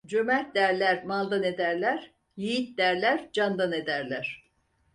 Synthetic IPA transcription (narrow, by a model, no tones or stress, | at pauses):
d͡ʒømælt̪̚d̪æɾlʲæɾmalˠd̪ane̞d̪æɾlʲæɾ | jijit̪̚d̪æɾlʲæɾd͡ʒand̪ane̞d̪æɾlʲæɾ̥